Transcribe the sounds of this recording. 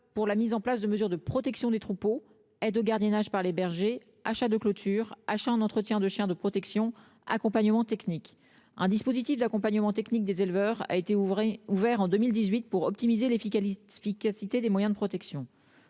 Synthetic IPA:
puʁlamizɑ̃plasd̪əməzyʁd̪əpχɔt̪ɛksjɔ̃d̪et̪χupo | ɛd̪oɡaʁd̪jɛnaʒpaʁlebɛʁʒe | aʃad̪əklot̪ʰyʁaʃaɛ̃nɑ̃t̪χət̪jɛ̃d̪əʃjɛ̃d̪əpχɔt̪ɛksjɔ̃ | a̰kɔ̃paɲəmɑ̃t̪ɛknik | ɛ̰̃d̪ispozit̪ifd̪akɔ̃paɲəmɑ̃t̪ɛknik̚d̪ezelvœʁa̰et̪euvɛʁɑ̃d̪ømild̪izɥit̪̚puʁɔp̚t̪imizelefikʲasit̪ed̪emwajɛ̃d̪əpχɔt̪ɛksjɔ̃

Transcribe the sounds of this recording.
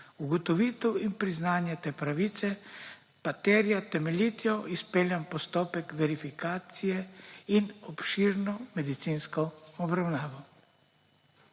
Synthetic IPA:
uɡɔt̪ɔʋiːt̪ɛwinpɾiznaːnjat̪eːpɾaʋiːt̪sɛ | pat̪ɛɾjat̪ɛmɛlit̪jɔʔispeːljampɔst̪oːpɛkʋɛɾifikaːt̪sijɛinɔpʃiɾnɔmɛd̪it̪sinskɔɔbɾawnaːʋɔ

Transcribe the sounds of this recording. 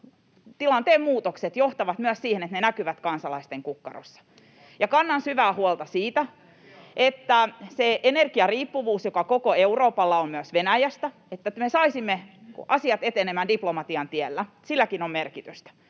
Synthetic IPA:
t̪ilɑnt̪eːmmuːt̪okset̪joht̪ɑʋɑt̪myæssiːhenet̪nenækyʋæt̪kɑnsɑlɑist̪eŋkukːɑ̰ro̰sːɑ̥ | jɑkɑnːɑnsyʋæːhuolt̪ɑsiːt̪æ | ʔet̪ːæseʔenerkiɑriːpːuʋuːsjokɑkokoeuroːpɑlːɑommyøsʋenæjæst̪æ | et̪ːæt̪mesɑisimːekʔɑsiɑt̪et̪enemændiplomɑt̪iɑnt̪ielːæ | silːækinommerkit̪yst̪æ̥

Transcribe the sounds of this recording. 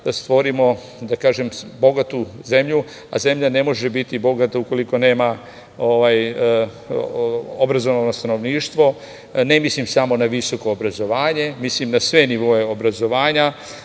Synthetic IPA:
st̪ʋo̞ɾimo̞ | d̪akaːʒe̞mbo̞ɡat̪uze̞mʎu | a̰ze̞mʎane̞mo̞ʒebit̪ibo̞ɡat̪auko̞liko̞ne̞ːma | oʋaj | obɾazo̞ʋanost̪ano̞ʋniːʃt̪ʋo̞ | ne̞mislimsamo̞naʋiso̞ko̞ːbɾazo̞ʋaːɲe̞mislimnasʋe̞niʋo̞e̞obɾazo̞ʋaːɲa

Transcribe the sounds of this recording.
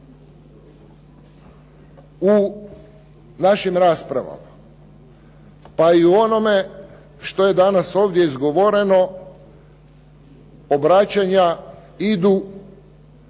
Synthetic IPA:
u | naʃimɾaːspɾa̰ʋa̰ma | paiuo̞no̞me̞ | ʃt̪o̞je̞d̪anaso̞ːʋd̪je̞izɡo̞ʋo̞ɾe̞no̞ | obɾat͡ɕaɲa | id̪u

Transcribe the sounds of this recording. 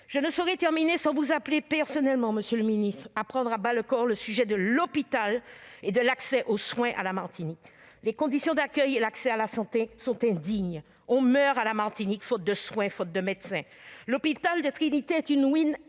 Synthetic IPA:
ʒ̥ənəsɔʁɛt̪ɛʁminesɑ̃vuzaplepɛʁsɔnɛlmɑ̃məsjøləminist̪χapχɑ̃d̪ʁabaləkɔʁləsyʒɛd̪əlɔpit̪aled̪əlaksɛʔoswɛ̃ʔa̰lamaʁt̪inik | lekɔ̃d̪isjɔ̃d̪akʲœjelaksɛalasɑ̃t̪esɔ̃t̪ɛ̃d̪iɲ | ɔ̃mœʁalamaʁt̪inikfot̪̚d̪əswɛ̃fot̪̚d̪əmɛd̪sɛ̃lɔpit̪ald̪ət̪χinit̪eɛt̪ynwin

